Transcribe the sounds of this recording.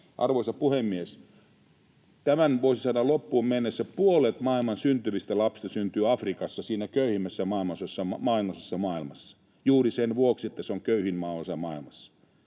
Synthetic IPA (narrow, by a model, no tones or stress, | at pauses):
ʔɑ̰rʋoisɑpuhemːies | t̪æmænʋoˑisisɑːdɑlopːuːmmenːesːæpuolet̪mɑilmɑnsynt̪yʋist̪ælɑpsi̥st̪ɑsynt̪yːɑfrikɑsːɑsiːnækøyhimːæsːæmɑinosesːɑmɑinosesːɑmɑˑilmɑsːɑ̥ | juːrisenʋuoksiet̪ːæseoŋkøyhinmɑːosɑmɑˑilmɑsːɑ̥